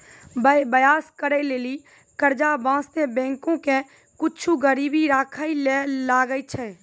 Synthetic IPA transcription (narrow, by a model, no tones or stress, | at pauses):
bəebəjaːskəɾɛleːli | kəɾd͡ʒabãːst̪ebɛ̃ːŋkõkẽ | kʊt͡ʃʰuɡəɾiːbiɾaːkʰailelaːɡəit͡ʃʰɛ